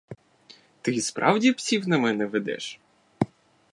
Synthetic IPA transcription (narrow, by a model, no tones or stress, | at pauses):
t̪ɪspɾʔɑ̰wdʲipsʲiwnɐmɛnɛʋed̪ɛ̰ʃ